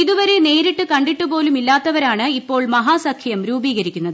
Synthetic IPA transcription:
iðuʋɐɾene̞ːɾiʈːɨkɐɳɖiʈːubo̞ːlumilːaːt̪ːɐʋɐɾaːɳɨipːo̞ːɭmɐɦaːsɐkʰjɐjɐmɾuːbiːɣɐɾikʲːunːɐðɨ

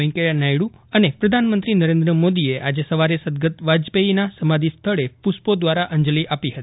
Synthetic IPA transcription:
ĩŋkəɾjanajɽuənepɾəd̪ʱanmənt̪ɾinəɾẽnd̪ɾəmod̪ieʔad͡ʒesəʋaɾesəd̪ɡət̪ʋad͡ʒpeinasəmad̪ʱist̪ʰəɭepuspod̪ʋaɾaʔəɲd͡ʒliʔapiɦət̪i̥

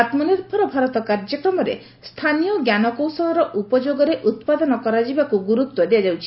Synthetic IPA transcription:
at̪mɔniɾpʰɔɾɔbʱaɾɔt̪ɔkaɾd͡ʒɔkɾɔmɔɾḛ | st̪ʰanijɔɡjanɔkowsɔlɔɾɔʔupɔd͡ʒoɡɔɾeʔut̪pad̪ɔnɔkɔɾad͡ʒibakuɡuɾut̪wɔd̪ead͡ʒawt͡ʃʰi̥

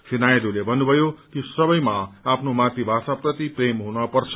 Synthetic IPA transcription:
sʰinajed̪ulebʱʌnːubʱʌjokisʌbʌjmaːpʰnomat̪ibʱasaprʌt̪ipremɦunʌpʌrt͡sʰʌ̥

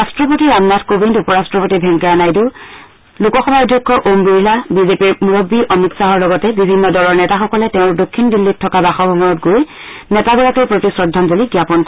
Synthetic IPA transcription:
astɹɔpotiɹamnadkobindupɔɹastɹɔpotibʱɛŋkaɹanajdu | lukɔxɔbadʱjɔkʰːɔʔombiɹlabizepiɹmuɹobːiʔɔmiksaɦɔɹlɔɡɔtɛbibʱinːɔdɔlɔɹnɛtaxɔkɔlɛteʊ̃ɹdokʰːinbilːit̚tʰːɔkabaxɔbʱɔmɔnɔtɡoj | nɛtabilakeɹpɹotisɹɔdʱːanzoliɡjapɔnkɔ

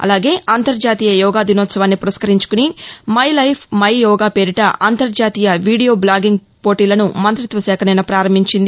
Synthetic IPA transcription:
ɐ̰laːɡe̞ːʔaːnt̪ɐɾd͡ʒaːt̪iːjɐjɔːɡaːd̪inɔːt̪sɐʋaːnːipuɾɐskɐɾiɲt͡ʃu̥kunimɐjlɐjpʰmɐjjɔːɡaːpeːɾiʈɐʔaːnt̪ɐɾd͡ʒaːt̪iːjɐʋiːɽijo̞ːblaːɡiŋɡ | po̞ːʈiːlɐnumɐnt̪ɾit̪ʋɐsɛːkʰɐnɐjnɐpɾaːɾɐmbiɲt͡ʃind̪i

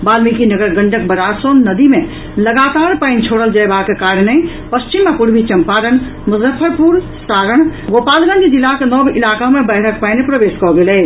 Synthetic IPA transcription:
balmikinəɡəɾɡəɳɖək̚bəɾasonnəd̪ime | ləɡat̪aɾpaɪnt͡ʃʰoɽəld͡ʒəjbakekaɾne | pəst͡ʃimːepuɾbʱit͡ʃəmpaɾən | muzəpʰːəɾpuɾ | saɾəɳ̃ɡopalɡə̃nd̪d͡ʒilːakenɔbilakamebəɦɾək̚paɪnepɾəbeskɔɡelɛ

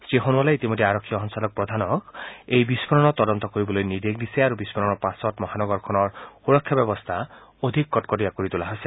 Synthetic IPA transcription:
stiɦonuɔleit̪imod̪ʱeaɾɔkʰːijɔɦɔnsalɔk̚pɹɔd̪ʱanɔkejbispɔɹɔnɔt̪ɔd̪ɔnt̪ɔkoɹibɔlojnid̪ek̚d̪iseaɾubispɔɾɔnɔpasɔtmɔɦanɔɡɔɹkʰɔnɔɹxuɾɔkʰːjabɔbɔst̪ʰa | od̪ʱikːɔtkɔdijakoɹit̪ulaɦojse

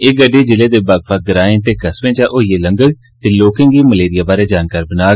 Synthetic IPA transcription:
eɡəɖeːd͡ʒɪleːd̪eːbaːɡpʰaːɡəɾaːẽt̪eːkəswẽːt͡ʃaːʔoːjeːləŋɡəɡ | t̪eːloːkẽːɡiːməleːɾɪjaːbaːɾeːd͡ʒaːnkaːɾbənaː

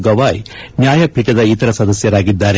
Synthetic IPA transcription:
ɡɐʋaːjnjaːjɐpiːʈɐd̪ɐit̪ɐɾɐsɐd̪ɐsjɐɾaːɡid̪ːaːɾe

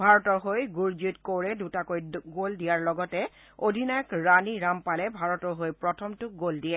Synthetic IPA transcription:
bʱaɹɔtɔɹɦojɡuɹd͡ʒitkoɹɛdutakojɡoldijaɹlɔɡɔtɛ | odʱinajɔkɹaniɹampalɛbʱaɹɔtɔɹɦojpɹɔtʰɔmtʊk̚ɡoldiɛ

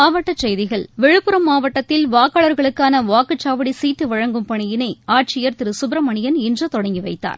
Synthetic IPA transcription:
aːʋɐʈːɐt͡ʃɛjðɪɣɐɭʋɛɻɯpːɯɾɐmːaːʋɐʈːɐt̪ːɪlʋaːkːaːɭɐɾɣɐɭɯkːaːnɐʋaːkɯt͡ʃːaːʋɐɽisiːt̪ːɯʋɐɻɐŋɡɯmpɐɳɪjɪnɐɪaːʈ̚t͡ʃɪjɐɾt̪ɪɾɯsʊbɪɾɐmɐɳɪjɐnɪndrɐt̪ɔɽɐŋɡiʋɐɪt̪ːa̰ːɾ

